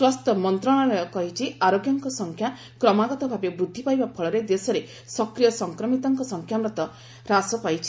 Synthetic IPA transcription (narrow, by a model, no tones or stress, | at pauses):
swɔst̪ɔmɔnt̪ɾɔɽ̃ɔɾɔkɔɦit͡ʃʰiʔaɾoɡjɔŋkɔsɔŋkʰja | kɾɔmaɡɔt̪ɔbʱabjɔbɾud̪ʱːipajbapʰɔɭɔɾed̪esɔɾe | sɔkɾijɔsɔŋkɾɔmit̪ɔŋkɔsɔŋkʰjamɾɔt̪ɔ | ɾasɔpajt͡ʃʰi̥